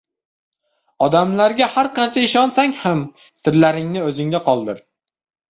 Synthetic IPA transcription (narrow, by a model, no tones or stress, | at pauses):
ɒd̪amlaɾɡʲahaɾqʰɑnt͡ʃʰaɪʃɒnsaŋʲham | sɪɾlaɾɪŋnɪɵzɪŋd̪aqʰɒlˠd̪ɪɾ